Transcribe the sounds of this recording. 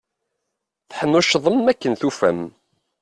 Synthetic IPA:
θħəmːuʃðˤəmːækːənθufæ̰m

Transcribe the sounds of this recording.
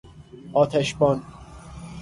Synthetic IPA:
ʔɒːt̪ʰæʃbɒːn

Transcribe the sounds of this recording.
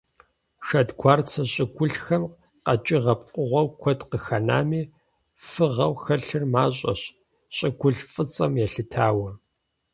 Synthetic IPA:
ʃɐdɡʷaːrt͡sʰɐɕʼɪɡʷʊɬxɐm | qɐt͡ʃʼɪʁɐp̚ʼqʷʼʊʁʷɔwkʷʰɔdqəxɐna̰ːmiː | fɨʁɐwxɐɬɨrmaːɕʼɐ̰ɕ | ɕʼɪɡʷʊɮfʼɨt͡sʼɐmjɛɬɨtʰaːwɐ

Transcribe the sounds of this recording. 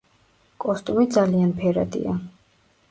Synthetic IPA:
kʼɔst̪ʼumid̪zalianpʰɛɾad̪ḭa̰

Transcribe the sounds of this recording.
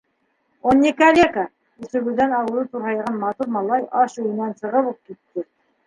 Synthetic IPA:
onʲːekalʲekɑ | ɵ̆sɵ̆βɘ̆ðænɑwɤ̆lˠɤt̪uɾɦɑjʁɑnmɑt̪uɾmɑlˠɑjʔɑʃʉjɘ̆nænsɤ̆ʁɤβup̚kit̪ːɘ

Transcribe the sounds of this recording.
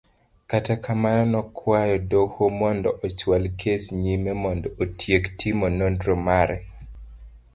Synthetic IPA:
katakʰamanɔnɔkʰwajɔdohomɔndɔʔɔt͡ʃwalkʰesɲimɛmɔndɔotʰjektʰimonondɾɔmaɾɛ

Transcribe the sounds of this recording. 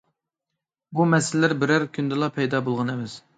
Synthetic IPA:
bumɛsɪllːɪɾbɪɾæɾkʲʰynd̪ɨlˠɑpʰɛjd̪ɑːbolˠʁɑnɛvɪs

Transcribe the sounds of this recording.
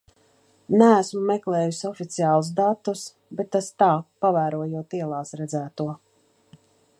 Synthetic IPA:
nææsmumɛklˠɛːjusɔfit̪sijaːlˠuz̬d̪at̪ːus | bɛt̪ːast̪aːpavæːɾuɔjuɔt̪iɛlˠaːsɾɛd̪zæːt̪uɔ

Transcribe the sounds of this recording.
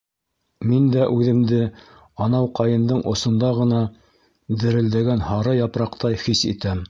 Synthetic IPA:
mind̪æʔʉðɘ̆md̪ɘ | ɑnɑwqɑjɤ̆nd̪ɤɴʔŏsŏnd̪ɑʁɤ̆nɑ | d̪ɘ̆ɾɘ̆ld̪æɡænhɑɾɑjɑpɾɑqt̪ɑjχisḭt̪æm

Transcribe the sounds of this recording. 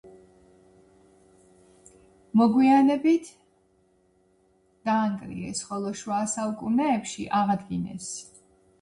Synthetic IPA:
mɔɡwianɛbit̪ʰ | d̪̥aːŋkʼɾḭɛ̰sχɔlˠɔʃwasalˠkʼunɛːpʃḭʔaʁad̪ɡinɛ̰s

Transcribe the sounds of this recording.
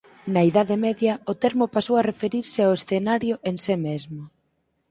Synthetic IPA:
nɐiðaðɪmɛðjɐʊt̪ɛɾmopasowarefeɾiɾsɪaoesθenaɾjʊʔensɪmezmo

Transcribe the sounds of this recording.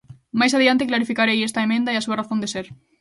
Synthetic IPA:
majs̬aðiant̪eklaɾifikaɾejest̪ɐemẽnd̪aeasuɐraθõnd̪eseɾ

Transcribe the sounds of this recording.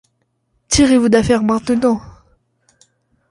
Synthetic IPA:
t̪ʰiʁevud̪afɛʁmɛ̃t̪nɑ̃

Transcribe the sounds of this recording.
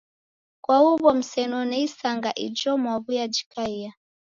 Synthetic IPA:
kwauβɔm̩sɛnɔnɛisaŋɡaʔḭd͡ʒɔmwaβujad͡ʒi̥kaia

